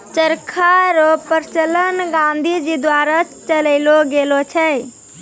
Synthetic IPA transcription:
t͡ʃəɾkʰaɾɔpəɾt͡ʃələnɡãnd̪ʱid͡ʒid̪waɾa | t͡ʃələɪloɡelot͡ʃʰə

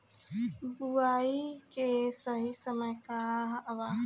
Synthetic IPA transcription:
buaːikesəɦisəməjkaɐʋaː

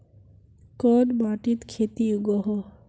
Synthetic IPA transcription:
kɔd̪baʈit̪kʰet̪iuɡɔɦɔ

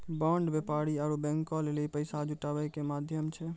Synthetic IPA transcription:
bãːɳɖbəpaːɾiaɾubɛ̃ŋkɔleleipəɪsad͡ʒʊʈaːʋəjkemaːd̪ʱjəmt͡ʃʰɛ

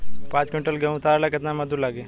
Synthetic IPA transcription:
pãːt͡ʃkmʈəlɡɐũt̪ʰaːɾlakɪt̪namɐd̪ulaːɡeː

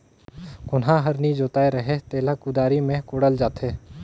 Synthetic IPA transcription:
kʊnɦãɦɐɾnid͡ʒoːt̪aːeɾɐɦet̪eːlakud̪aːɾimẽkoːɽəld͡ʒaːt̪eː

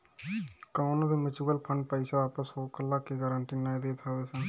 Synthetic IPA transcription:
kaʊnobʱimət͡ʃuɡəlpʰə̃ɳɖ̚pəɪsaaːpəsoːkəlːakeɡəɾəɳʈinaːjd̪et̪ʰabesɛ̃

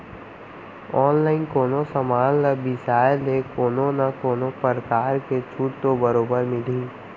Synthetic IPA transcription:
ɔːnlaːɪnkoːnosəmaːnːɐbɪsaːjlekoːnonakoːnopəɾkaːɾket͡ʃʰuːʈ̚t̪obəɾoːbəɾmɪliː

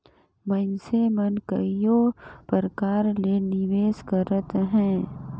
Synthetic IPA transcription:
mənsemənkəijopəɾəkaːɾleːnɪʋeːskəɾət̪ɦɛ̃ː

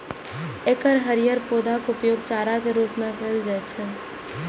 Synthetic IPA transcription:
ekəɾɦəɾijəɾpoːd̪akʊpjoːɡt͡ʃaːɾakeɾuːpmẽpʰeːld͡ʒaɛt̪t͡ʃʰɛ

